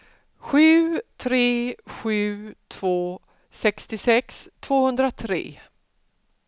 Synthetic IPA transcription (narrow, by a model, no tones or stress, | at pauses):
ɧʉ̟ːt̪ʰɾeːɧʉ̟ːt̪ʰv̥oː | sɛkst̪ɪsɛkst̪ʰv̥oːhɵnd̪ɾat̪ʰɾḛː